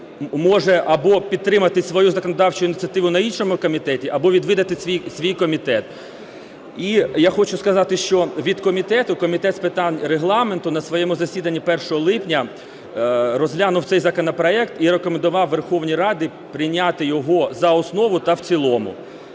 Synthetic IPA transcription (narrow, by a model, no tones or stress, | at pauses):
mɔʒɛʔɐbɔpʲid̪̚t̪ːɾɪmɐt̪ɪsʲʋɔjuzɐkɔnɔd̪ɑwt͡ʃʊinʲɪt̪t͡sʲɐt̪ɪʋʊnɐinʃɔmʊkɔmʲit̪ɛtʲiʔɐbɔʋʲid̪ʋɪd̪ɐt̪ɪsʲʋʲijsʲʋʲijkɔmʲit̪ɛt̪ | ijaxɔt͡ʃʊskɐzɑt̪ɪʃt͡ʃɔʋʲid̪kɔmʲit̪ɛt̪ʊkɔmʲit̪ɛt̪spɪt̪ɑnʲɾeɦlˠɑment̪ʊnɐsʋɔjɛmʊzɐsʲid̪ɐnʲːipɛrʃɔɦɔlˠɪpnʲɐ | ɾɔzɦlʲanʊwt̪sɛjzɐkɔnɔpɾɔɛkt̪iɾekɔmend̪ʊʋɑwʋerxɔwnʲijrɑd̪ʲɪ | pɾɪnʲat̪ɪjɔɦɔzɐɔsnɔʋʊt̪ɐwt͡sʲilˠɔmʊ̰